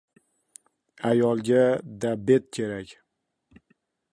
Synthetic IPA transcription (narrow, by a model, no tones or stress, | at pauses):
ajɒlˠɡʲad̪abe̞t̪̚kʲʰe̞ɾakʲ